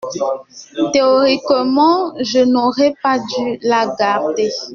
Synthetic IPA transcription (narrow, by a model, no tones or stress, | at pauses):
teoʁikəmɑ̃ʒənoʁɛpadylaɡaʁde